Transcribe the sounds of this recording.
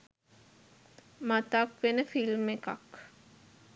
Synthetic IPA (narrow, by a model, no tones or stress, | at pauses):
mat̪akʋenəfilmeka̰k